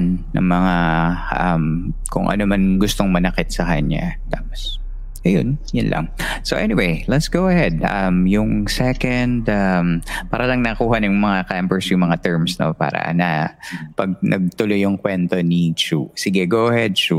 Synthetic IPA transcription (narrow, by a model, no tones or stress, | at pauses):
nnɐ̰ŋmɐŋaʔɐmkʊ̰ŋʔɐ̰nomanɡʊst̪oŋmɐnɐkɪt̪̚sɐkɐɲa̰t̪aːpos | ʔɐjo̰njʊnlɐ̰ŋsoʔɛniwejlɛt̪sɡowɐhɛd̪̚ʔɐ̰mjʊŋsɛkɐnd̪ʔampaːɾɐlɐŋnɐkuːhɐnʊŋmɐŋakambɛɹsjʊŋmɐŋat̪ɛɹmsno̞̰pa̰ːɾɐ̰nɐpɐɡ̚nʔɐ̰ɡ̚t̪ʊlojʊŋkwɛnt̪o̞nit͡ʃusɪɡɛɡoʔɐhɛd̪̚t͡ʃu